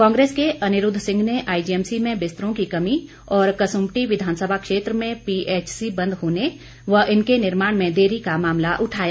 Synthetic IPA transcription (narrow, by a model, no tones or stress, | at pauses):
kɔ̃ːŋɡɾeːskeʔɐnɪɾʊd̪ʱsɪ̃ŋɡʱneʔaːid͡ʒiɛmsimẽbɪst̪ɾõkikɐmi | ɔːɾkɐsʊmʈiʋɪd̪ʱaːnsəbʱakʃeːt̪ɾəmẽpiʔeːt͡ʃsibɐ̃nd̪ʱɦoːne | ʋəɦɪnkenɪɾmaːɽ̃mẽd̪eːɾikamaːmlaʔʊʈʰaːja